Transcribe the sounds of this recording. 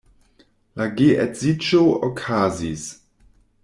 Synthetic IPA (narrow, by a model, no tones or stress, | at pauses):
laɡeʔɛtz̥it͡ʃookʰazis